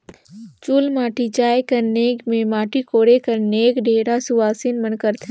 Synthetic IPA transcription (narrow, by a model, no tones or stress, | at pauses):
t͡ʃulmaːʈit͡ʃaːjkəɾneːkmẽmaːʈikoːɽekəɾneːkɖʱeːɽasuʋaːsinmənkəɾt̪ʰ